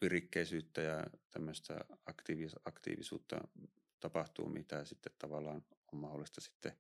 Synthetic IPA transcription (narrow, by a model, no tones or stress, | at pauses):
pirikːeisyːt̪ːæjɑt̪æmːøst̪æ̰ɑkt̪iːʋiɑkt̪ḭːʋisṵːt̪ːɑ̰ | t̪ɑpɑht̪ṵːmʔit̪æsit̪ːet̪t̪ɑʋɑlːˑɑːnommɑholːˑist̪ɑsi̥t̪ːe